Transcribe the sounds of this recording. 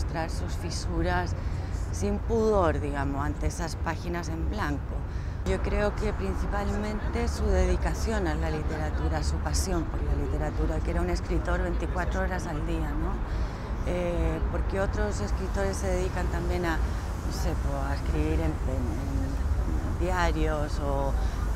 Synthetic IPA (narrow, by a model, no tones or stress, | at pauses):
st̪ɾaɾsusfisuɾasː | impuðo̞ɾðiɣamoant̪eesaspaxinase̞mblaŋko | ʝo̞kɾe̞oke̞pɾinθipalmẽnt̪e̞suðe̞ð̞ikaθjo̞nalalit̪e̞ɾat̪uɾasupasjo̞mpoɾlalit̪eɾat̪uɾakeɾaune̞skɾit̪o̞ɾβe̞nt̪ikwat̪ɾooɾasald̪ianõ | epo̞ɾkeo̞t̪ɾo̞se̞skɾit̪o̞ɾe̞sːeðeðikant̪ambje̞na | nose̞poaeskɾiβiɾempenen | d̪jaɾjoso